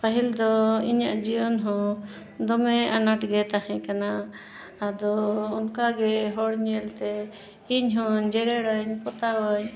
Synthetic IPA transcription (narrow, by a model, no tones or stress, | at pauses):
paɦild̪ɔiɲaʔd͡ʒiwɔnɦɔ̃ | d̪ɔmɛanaʈɡɛt̪aɦɛ̃kanaː | d̪ɔunkaɡɛɦɔɽɲɛlt̪ɛ | iɲɦɔɲd͡ʒɛɾɛɽəɲpɔt̪awəɲ